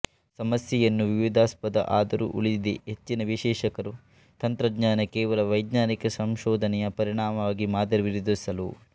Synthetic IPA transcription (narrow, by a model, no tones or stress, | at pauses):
sɐmɐsjɐjɐnːuʋiʋid̪aːspɐd̪ɐ̰ʔaːd̪ɐɾṵʔuɭid̪iɦet͡ʃːinɐʋiʃɛːʃɐkɐɾu | t̪ɐnt̪ɾɐd̪ɲaːnɐkɛːʋɐlɐʋɐjd̪ɲaːnikɐsɐmʃɔːd̪ʱɐnɛjɐpɐɾiɳ̃aːmɐʋaːɡimaːd̪ɐɾɐʋiɾd̪isɐlu